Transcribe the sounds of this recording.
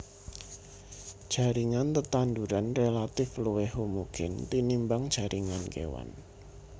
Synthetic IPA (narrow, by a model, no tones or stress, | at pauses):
ʒ̥a̤ɾiŋant̪ət̪and̪uɾanrelat̪ɪfluwehumuɡɪnt̪inimbaŋdd͡ʒ̥a̤ɾʔiŋankḛwa̰n